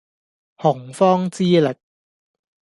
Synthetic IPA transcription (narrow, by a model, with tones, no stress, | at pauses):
hɔ˨˩˦ŋfɔː˥ŋt͡siː˥le˨˩k̚